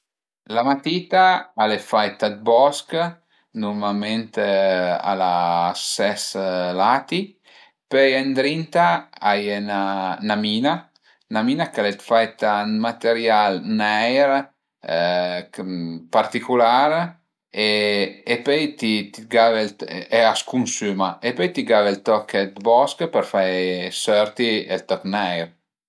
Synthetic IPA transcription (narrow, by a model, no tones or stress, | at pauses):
lamat̪iːt̪aalefajt̪at̪̚bɔsk | numalment̪ea̰lasɛslat̪i | pøjand̪ɾint̪aajenanamiːna | namiːnakalet̪fajt̪anmat̪eɾjalnɛjɾ | part̪ikulaɾ | eepøjt̪it̪iɡaveleaskunsymaepøjt̪iɡavelt̪ɔkːɛt̪bɔskpəɾfajsøɾt̪iḛlt̪ɔknɛjɾ